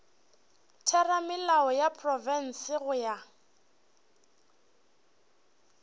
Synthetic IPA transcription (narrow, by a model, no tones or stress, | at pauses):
tʰɛramɪlaɔjapʰʼrɔvɛn̩sɪɣʊja